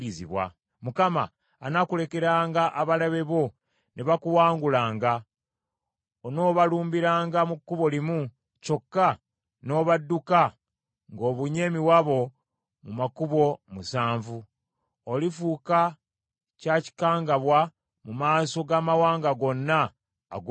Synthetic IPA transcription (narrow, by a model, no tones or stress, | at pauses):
izḭβwa̰ | mukama̰ː | nakule̞ke̞ɾaːŋɡaʔaβalaβe̞βo̞ | neβakuwaːŋɡulaːŋɡa | ono̞ːβaluːmbiɾaːŋɡamukːuβo̞limu | co̞kːa | no̞ːβadːuka | ŋɡo̞ːβuɲe̞ːmiwaβo̞ | mumakuβo̞musaːɱvu | olifuːka | caci̥kaːŋɡaβwa | mumaːso̞ɡamawaːŋɡaɡo̞nːa̰ː | ɡ